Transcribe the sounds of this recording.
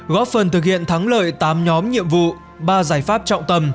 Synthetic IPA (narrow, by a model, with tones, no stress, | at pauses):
ɣɔ˦˥p̚fə˨˩nt̪ʰɨ˨˩k̚hḭ˧˨ənt̪ʰa˨˦ŋlə̰ː˧˨jt̪aː˨˦mɲɔ˨˦mɲḭ˧˨əmvṵ˧˨ | ɓaː˧zaː˧˩jfaː˦˥p̚t͡ɕɔ̰˧˨wŋ͡mt̪ə˧m